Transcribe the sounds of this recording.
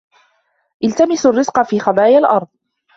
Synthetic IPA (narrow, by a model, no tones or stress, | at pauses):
ʔɪlt̪amɪsarːɪzqɑfiːxɑd̪ˤɑːjalʔɑɾˤd̪ˤ